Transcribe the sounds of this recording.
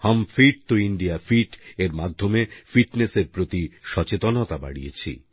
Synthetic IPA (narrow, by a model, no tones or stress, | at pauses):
hɔmfiʈ̚t̪oiɳɖijafiʈeɾmad̪ʱːomefiʈneseɾpɾot̪iʃɔt͡ɕet̪onot̪aba̰ɽijet͡ɕʰḭ